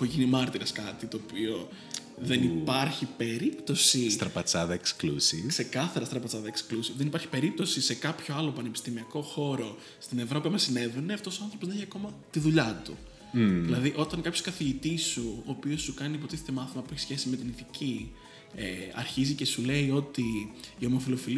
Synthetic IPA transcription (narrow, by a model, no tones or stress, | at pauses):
poʝinimɐɾt̪iɾɐskɐt̪it̪o̞ːpio̞ | ðenipɐɾçipe̞ɾipt̪o̞sist̪ɾɐpɐt͡sɐðɐeksklṵsikse̞kɐθɐɾɐst̪ɾɐpɐt͡sɐðɐeksklusivðe̞nipɐɾçi̥pe̞ɾip̚t̪o̞sise̞kɐpço̞ɐlo̞pɐnepi̥st̪imiɐko̞xo̞ɾo̞ | st̪ine̞vɾopimɐsine̞ve̞neɐft̪o̞so̞ɐnθɾopozðençiɐko̞mɐt̪iðuʎɐt̪u | ðilɐðiʔo̞t̪ɐŋkɐpço̞skɐθiʝit̪isuoːpio̞sːukɐnipo̞t̪iθet̪e̞mɐθimɐpueçi̥sçe̞sizme̞t̪iniθici | ḛɐ̰ɾçizice̞sule̞io̞t̪iːo̞mo̞filo̞fil